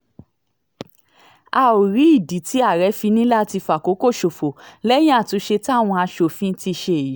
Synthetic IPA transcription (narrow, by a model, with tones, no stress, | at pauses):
a˧o˨ɾi˨˦i˦˨di˨˦ti˨˦a˦˨ɾɛ˨˦fi˧nĩ˦la˦˨ti˧fa˨ko˨˦ko˦˨ʃo˨fo˨lɛ˦j̃ĩ˦a˦˨tũ˨˦ʃe˧ta˦˨w̃ɔ̃˧a˧ʃo˨fĩ˦ti˧ʃe˧e˨i˨˦